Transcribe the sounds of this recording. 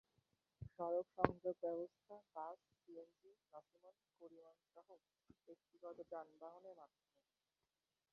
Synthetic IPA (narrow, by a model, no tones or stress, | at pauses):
ʃɔɾokʃɔŋd̪ʱeb̪̚bɛbost̪ʰapas | siend͡ʑiɾɔsimonkoɾimanʃaɦo | bek̚t̪iɡɔt̪od͡ʑanbaɦonemat̪ː | e